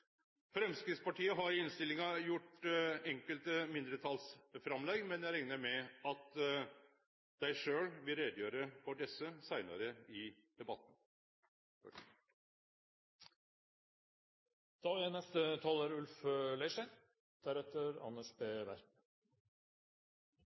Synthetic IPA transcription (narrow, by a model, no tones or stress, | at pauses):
fɾɛmskɾɪt̪spɑʈʰiːəɦɑɾɪɪnst̪ɪlɪŋɑjʊʈɛŋkəlt̪əmɪnd̪ɾət̪ʰɑlsfɾɑmlɛɡmɛnjæɪɾɛŋnəɾmɛɑt̪ | d̪̥æɪʂøːɽʋɪlɾeːd̪əjøːɾəfɔɖɛsəsæɪnɑ̰ɾəɪd̪̥ɛbɑt̪ːn̩ | d̪̥ɑːænɛst̪ət̪ʰɑːloːɾʉlflæɪʂæn | d̪̥æɾɛt̪ːəɾɑ̰nːəʂbeːʋæ̰ɾ